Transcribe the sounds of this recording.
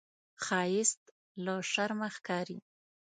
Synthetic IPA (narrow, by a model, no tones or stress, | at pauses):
xɑjɪst̪ | laʃaɾmaxkɑɾḭ